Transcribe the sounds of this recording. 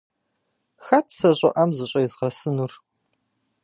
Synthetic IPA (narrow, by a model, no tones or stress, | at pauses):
xɐtʰsɐɕʼɐ̰ʔɐmzɨɕʼɐjɪzʁɐsɨnur